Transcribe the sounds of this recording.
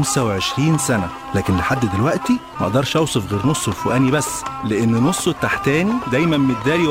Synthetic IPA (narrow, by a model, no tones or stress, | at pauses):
msæweʕeʃɾiːnsænæ | læːkenleħad̪ːd̪elwæʔt̪imæʔd̪ɑɾˤʃʔæwsˤofɣeːɾnosˤːelfoʔæːnibæsːleʔenːnosˤːot̪aħt̪æːnid̪æjmæmmet̪̚d̪æːli